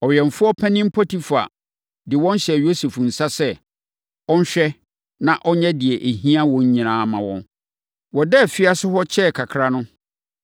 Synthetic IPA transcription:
ɔ˨ɥɛ̃˨n˨fʊ˦ɔ˦pʰæ̃˦nɪ̃˦m̩˦pʰɔ˦tʰi˦fa̰˨ | dɪ˨wɔ̃˦n˦ɕɛ˨jo˦se˨fn̩˨sa˦sɛ˦ | ɔ̃˦n˦ɕᶣɛ˦ | nã˨ʔɔ˦ɲɛ̃˦dɪ˨ɛ˨ʔe˨ɦĩ˦a˦wɔ̃˨˦ɲ̩˦ɲĩ˨nãː˨˦mã˨wɔ̰̃˦n | wɔ˨dɛ˦˨fɪ˦a˦sʊ˦hɔ˦t͡ɕʰɛ˦˨kʰa˨kʰɾa˦nʊ̃˦

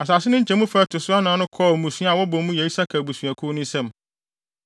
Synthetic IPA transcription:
a˨s̬a˨sɪ˦nʊ̃˦ɲ̩˦t͡ɕʰɛ̃˨˦mũ˦fɛ˦tʰʊ˨sʊ˦a˦nã˨˦nʊ̃˦kʰɔː˦˨mũ˨sɥa˦a˨wɔ˦bɔ̃˨mũ˦jɛ˨i˦sa˦kʰa˨bu˨sɥ̃æ˨kʰʊ˦nʊ̃˦sɛ̃˦m

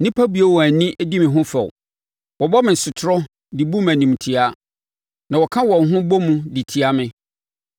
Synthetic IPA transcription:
nɪ̃˦pʰa˦bu˨o˦wɔ˨æ˨nĩ˦ʔæ˦di˦mɪ̃˨ɦʊ̃˦fɛ˨w | wɔ˨bɔ˦mɪ̃˨sʊ˨tʰɾɔ˦ | dɪ˨bu˦mæ̃˨nĩ˨m˨tʰi˨a˦ | nã˨wɔ˨kʰã˦wɔ̃˨nɦʊ̃˦bɔ˦mũ˦dɪ˨tʰi˨a˦mɪ̃˦

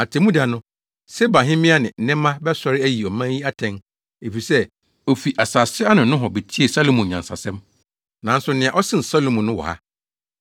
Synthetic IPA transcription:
a˨tʰɛ˨mũ˦da˨nʊ̃˦ | sɛ˦bã˨ɦɪ̃˦mɪ̃˦a˦nɪ̃˨n̩˦nɛ̃˦mːã˦bɛ˦sɔ˨ɾɪ˦æ˦ji˨ɔ˨mã˦ji˦a˦tʰɛ̃˦n | e˨fi˨sɛ˦ | o˨fi˨ʔa˨saː˨sɪ˦a˦nɪ̃˨nʊ̃˦ɦɔ˨be˨t͡ɕʰi˦e˨sa˦lo˦˨mũ˨ɲã˨nsa̰˨sɛ̃˦m | nã˨n̩˦sʊ˨˦nɪ̃˨ã˨ʔɔ˦sɪ̃˦n̩˨sa˦lo˨mũ˨nʊ̃˦wɔ̰˨ha̰˦

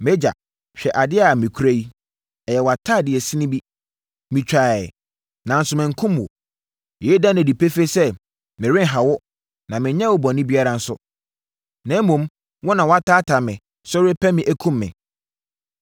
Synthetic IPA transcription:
me˦d͡ʑa̰˨ | ɕᶣɛ˨ʔa˨dɪ˦a˨mĩ˨kʰu˦ɾæ˦ji˦ | ɛ˨jɛ˨wa˨tʰaː˦˨dɪ˨ɛ˨si˦nĩ˦bi˦ | mĩ˨t͡ɕᶣa˨ɛ˨ | nã˨n̩˦sʊ˨mɪ̃˨ŋ̩˨kʰʊ̃˦mwɔ̰˨ | jɛ˦dã˦næ̃˨di˨pʰe˦fe˦sɛ˦ | mɪ̃˨ɾɪ̃˦ŋ˦ɦa˨wɔ˦ | nã˨mɪ̃˨ɲɛ̃˦wʊ˦bɔ̃˨nɪ̃˦bi˦a˦ɾã˨n̩˦sʊ˦ | nã˨˦mũ˨m | wɔ˦nã˨wɔ˨˦a˦tʰaː˦tʰa˨mɪ̃˨ | sɔ˦ɾɪ˦pʰæ˦mɪ̃˨ʔæ˦kʰũ˦mːɪ̰̃˨

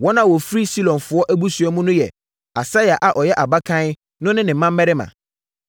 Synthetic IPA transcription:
wɔ̃˦nã˨wɔ˨fɾi˦si˦lɔ̃˨nfʊ˨˦ɔ˦ʔæ˦bu˦su˨ɛ˦mũ˦nʊ̃˦jɛ˨ | a˨sa˦ja˨ʔa˨ʔɔ˨jɛ˦ʔa˨ba˦kʰã˦n˦ | nʊ̃˦nɪ̃˦nɪ̃˨m̩˦mã˦m̩ː˦ɛ˦ɾɪ˦mã̰˨

